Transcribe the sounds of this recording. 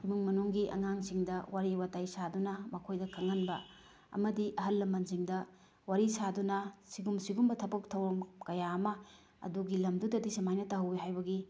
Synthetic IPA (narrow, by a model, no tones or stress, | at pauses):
imiŋmɐnuŋɡiʔɐ̰ŋaŋsiŋdɐwaɾiwatajsadunɐmɐkʰojdɐkʰɐŋɐnbɐ | ɐ̰mɐdiʔɐɦɐlːɐmɐnziŋdɐ | waɾisadunɐsiɡumsiɡumbɐtʰɐbɐk̚tʰɐwɾɐmkɐjaɐmɐ | ɐ̰duɡilɐmdudɐdisɐmajnɐtɐɦɐweɦajbɐɡi